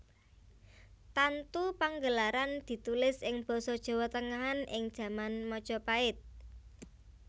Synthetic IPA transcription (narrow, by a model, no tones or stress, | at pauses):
t̪ant̪upaŋɡəlaɾand̪̥i̤t̪ulɪsɪŋb̥ɔ̤sɔd̥ʒ̥ɔ̤wɔt̪əŋaɦanʔɪŋd̥ʒ̥ä̤manmɔd̥ʒ̥ɔ̤paɪt̪̚